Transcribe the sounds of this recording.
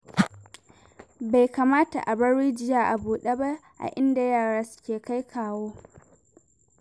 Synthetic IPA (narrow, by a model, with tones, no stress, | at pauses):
ba˨jka˨maː˦ta̰˨ʔa˨bɐ˦ɽiː˦d͡ʒɪ˦jaː˨ʔa˨buː˨ɗe˦ba˦ | ʔa̰˨ʔɪ˦nda˨jaː˦˨ɽa˦sʊ̥˦kʲeː˨ka˦jkʰaː˨woː˦